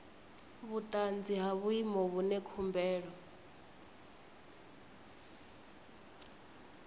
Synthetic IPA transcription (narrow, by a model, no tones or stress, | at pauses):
βut̪ʼand͡ziɦaβuimɔβunɛkʰumbɛːɺɔ